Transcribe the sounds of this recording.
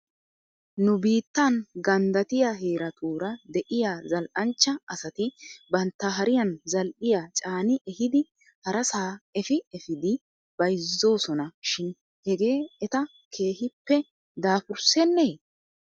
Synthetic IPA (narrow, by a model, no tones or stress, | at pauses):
nʊbiːt̪ːɐnɡɐnd̪ɐt̪ɪjaɦe̞ːɾɐt̪ʰuːɾɐd̪ɛʔɪjaːzɐlʔɐnt͡ʃːɐʔɐsɐt̪ɪbɐnt̪ːɐɦɐɾɪjɐnzɐlʔɪjat͡ʃʼaːnɪʔɛhɪd̪ɪ | hɐɾɐsaːɛfɪɛfɪd̪ɪ | b̥ɐjzːo̞ːsɔnɐʃɪn | hɛɡe̞ːɛt̪ɐ | kʰe̞ːhɪpːɛ | d̪aːfʊɾsɛnːeː